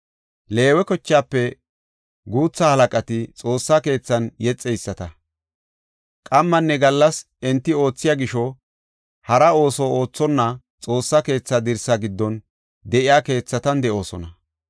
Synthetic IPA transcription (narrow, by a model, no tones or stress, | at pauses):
le̞ːwɛkɔt͡ʃːaːpːɛ | ɡuːt͡sːahɐlɐkʼɐt̪ɪt͡sʼo̞ːsːake̞ːt͡sːɐnjɛt͡sʼːɛjsːɐt̪ɐ | kʼɐmːɐnːɛɡɐlːɐs | ɛnt̪ːɪo̞ːt͡sːɪjaɡɪʃɔ | hɐɾɐo̞ːsɔo̞ːt͡sːɔnːɐ | t͡sʼo̞ːsːɐke̞ːt͡sːɐd̪ɪɾsɐɡɪd̪ːɔn | d̪ɛʔɪjaːke̞ːt͡sːɐt̪ɐnd̪ɛʔo̞ːsɔnɐ